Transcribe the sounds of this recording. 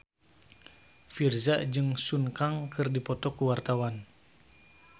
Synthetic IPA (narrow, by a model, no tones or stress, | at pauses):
firzaʔd͡ʒɨŋsuŋkaŋkʰɨrdipɔt̪ɔkuwart̪awan